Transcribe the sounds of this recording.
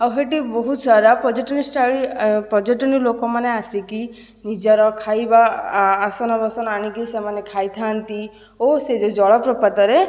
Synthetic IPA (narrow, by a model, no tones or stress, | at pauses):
awɦeʈibɔɦut̪saɾapɔd͡ʒɔʈɔnisʈaɭipɔd͡ʒɔʈɔnilokɔmaneasiki | nid͡ʒaɾɔkʰajbaː | sɔnɔbɔsɔnaɽ̃ikisemanekʰajt̪ʰant̪i | osed͡ʒɔd͡ʒɔɭɔpɾɔpat̪ɔɾe